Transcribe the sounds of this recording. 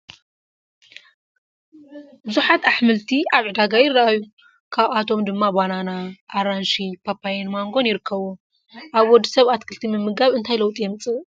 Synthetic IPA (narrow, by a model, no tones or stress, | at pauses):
bɨzuħat̪aħmɨlt̪ʰiaβʕɨd̪aɡajɪrːɐʔajːu | kʰaβat̪ʰo̞md̪ɨmːabananaʔːɾanʃipʰapʰːajenmaŋɡo̞njɪɾɨkʰːɐβu | ʔaβwɔd̪ːisɐβat̪kʰɨlt̪ʰimɨmːɨɡaβɨnt̪ʰajlɐwt̪ʼijɛmɨt͡sʼɨ